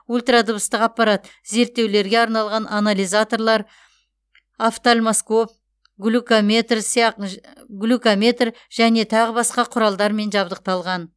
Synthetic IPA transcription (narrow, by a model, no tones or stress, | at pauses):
ulʲˠt̪rad̪obəst̪əqɑpːɑɾɑt̪ | ze̞ɾt̪ːe̞wle̞ɾɡʲe̞ɑɾnɑlˠʁɑnʔanalʲijzat̪o̞rlˠɑɾ | aft̪olʲmaskop̚ | ɡlʲukome̞t̪rsijɑq | ɡlʲukomʲe̞t̪r | ʒ̥æne̞t̪ʰɑʁəbɑsqɑqʰʊɾɑlˠd̪ɑɾme̞nʒɑbd̪əq̚t̪ɑlˠʁɑn